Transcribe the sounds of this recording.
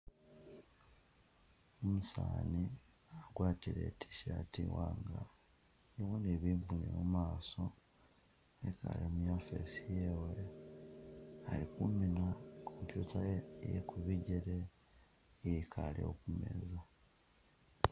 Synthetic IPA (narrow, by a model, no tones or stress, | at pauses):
omusaːni | aɡwaːtiɾḛtʰi̥ʃatiwaŋɡa | niwoneβiːmpunḛmumaːso | eka̰limujaːfḛsijewe | alikuminakʰompjuːtajjḛkuβiɟeɾe | iikʰaliokumḛza